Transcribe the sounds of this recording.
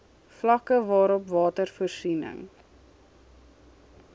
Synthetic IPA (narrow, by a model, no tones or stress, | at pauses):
flɐkəvɑːɾɔpvɑːtərfɔrsinə̰ŋ